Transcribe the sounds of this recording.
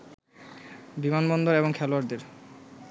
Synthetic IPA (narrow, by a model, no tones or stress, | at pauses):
bimanbɔnd̪oɾeboŋkʰɛloaɾd̪eɾ